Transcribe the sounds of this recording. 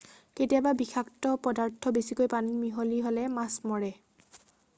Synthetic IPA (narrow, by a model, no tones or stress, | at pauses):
ketiababixʰaktɔpɔdaɹtʰɔbesikojpanimiɦoliɦolɛmasmɔɹɛ